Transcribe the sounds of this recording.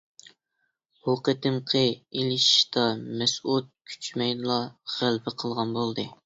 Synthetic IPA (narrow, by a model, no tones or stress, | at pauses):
hoqət̪ɨmqʰəelɪʃi̥ʃt̪ɑmɛsut̪̚kʲʰy̥t͡ʃmɛjlˠɑʁ̥ælbɪqʰəlˠʁɑnbolˠd̪ɨ